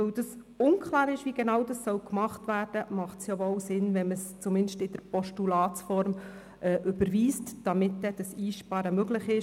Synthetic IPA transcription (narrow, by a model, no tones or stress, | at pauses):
ɵwd̥ɑs | ʊnkχlɑːɾɪʃʋiɡ̥enɑwdɑssɔwkmɑχtvæːɾd̥əmɑχtsjavɔwsɪnvɛməst͡sumɪnʃtɪd̥əɾpɔʃtulɑːt͡sfɔɾm | ʔɛːʔʏb̥əɾʋiːstd̥ɑmɪtːɛd̥ɑsiːʃpɑɾəmøɡlɪχɪʃ